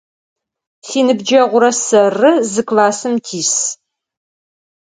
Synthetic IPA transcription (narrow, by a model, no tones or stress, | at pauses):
siːnɨbd͡ʒɐʁʷʊɾɐsɐrɨzɨkʰʼlaːsɨmtʰiːs